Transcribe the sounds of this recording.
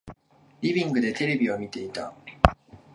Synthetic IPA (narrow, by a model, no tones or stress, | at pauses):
ɾibiŋɡɯde̞tʰeɾebiwamit͈ːe̞it͈a̰